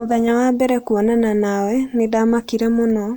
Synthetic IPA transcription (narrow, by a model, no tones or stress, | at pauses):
oðaɲawabɛɾɛkuɔnananawɛnedamakiɾɛmonɔ